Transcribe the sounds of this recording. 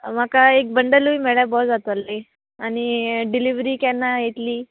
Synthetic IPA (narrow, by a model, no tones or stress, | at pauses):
m̤akaek̚bəɳɖəluimeɭjabɔd͡zat̪oalːe | añiɖiliʋɾiːkanːajet̪liː